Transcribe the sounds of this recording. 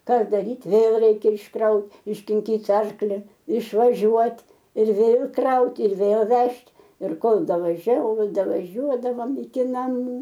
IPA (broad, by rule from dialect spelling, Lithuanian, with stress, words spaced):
ˈkɑː dɐˈrʲiːt ˈʋʲeːlˠ ˈrʲɛɪkʲɛ ɪʃˈkrɐʊt ɪʃʲkʲɪŋʲˈkʲiːtʲ ˈɐrklʲɪ ɪʃʋɐˈʒʲuɔtʲ ɪr ˈʋʲeːlˠ ˈkrɐʊtʲɪ ɪr ʋʲeːlˠ ˈʋʲɛʃʲtʲ ɪr ˈkoːlˠ dɐʋɐˈʒʲɛʊ ˈkoːlˠ dɐʋɐˈʒʲuɔdɐʋoːm ɪkʲɪ nɐˈmuː